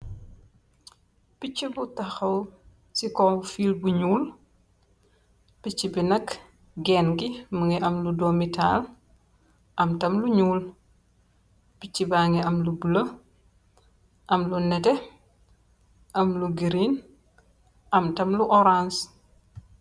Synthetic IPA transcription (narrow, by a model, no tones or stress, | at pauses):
pit͡ʃːibutɐxɐw | sikɔfiːlbuɲuːl | pit͡ʃːibinɐk | ɡɛːnɡimɐŋɛʔɐmludomitaːl | ʔɐmtɐmluɲuːl | pit͡ʃːibaːŋɡɛɐmlubulɐ | ʔɐmlunɛtɛ | ʔɐmluɡiɾin | ʔɐmtɐmluʔɔɾans